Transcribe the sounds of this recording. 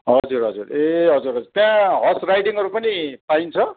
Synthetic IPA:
ɦʌd͡zurɦʌd͡zureɦʌd͡zurɦʌd͡zurt̪jãɦʌsrajʈiŋɦʌɾupʌnipaint͡sʰʌ

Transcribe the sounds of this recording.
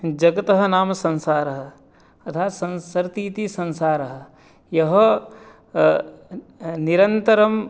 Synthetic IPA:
d͡ʒɐɡɐt̪ɐɦɐ̆naːmɐsɐ̃nsaːɾɐɦɐ̆ | ɐt̪ʰaːsɐ̃nsɾt̪iːt̪isɐ̃nsaːɾɐɦɐ̆ | jɐɦɐ | niɾɐnt̪ɐɾɐm

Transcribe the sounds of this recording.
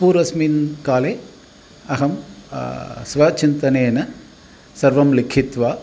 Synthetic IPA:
puːɾɐsminkaːleː | ɐɣɐm | sʋaːt͡ʃɪnt̪ɐneːnɐ | sɐɾʋɐmlɪkʰɪt̪ʋaː

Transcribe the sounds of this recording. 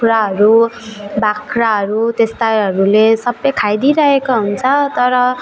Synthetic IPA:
uɾaɦʌɾubakʰraɦʌɾut̪est̪ajɦʌɾulesʌbːʌjkʰajd̪iɾʌɦekoɦunt͡sʰʌt̪ʌɾʌ

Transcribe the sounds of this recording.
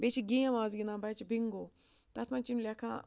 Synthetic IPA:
bet͡ʃiɡĩjãmãːzɡinãːbat͡ʃibiŋɡo | t̪at̪ʰmãnt͡ʃinlʲakʰã̰

